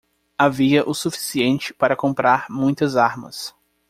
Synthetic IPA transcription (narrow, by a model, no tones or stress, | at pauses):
aviɐʔʊsufi̥siẽnt͡ʃɪ̥paɾɐkõmpɾaɾmũj̃t̪ɐzaɾmɐ̰s